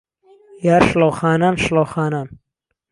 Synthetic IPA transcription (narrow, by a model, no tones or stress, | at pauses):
jaːɾʃlowxaːnaːnʃlowxaːnaːn